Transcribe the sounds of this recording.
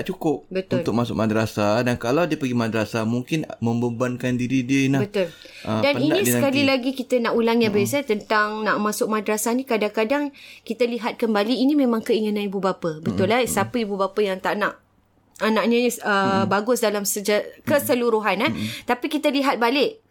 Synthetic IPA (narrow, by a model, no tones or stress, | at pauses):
aʔt͡ʃukʊp̚bət̪ʊ̃nlt̪ʊk̚masʊk̚madɾasadankalawdiəpəɡimadəɾasamuŋkɪnmə̃mbəmbankandiɾidiənabət̪ʊl | daninĩsəkalilaɡikit̪ənaʔulaŋjabasat̪ənt̪aŋnaʔmãsʊk̚madɾasanĩkadaŋkadaŋkit̪əliɦat̪̚kəmbaliːnĩmẽmãŋkəiŋənãnibubapəbət̪ʊlːasapəibubapəjaŋt̪aʔnaʔ | anãʔɲəniəbaɡʊsdalamsəd͡ʒakəsəluɾuɦanat̪apikit̪əliɦat̪̚balɪʔ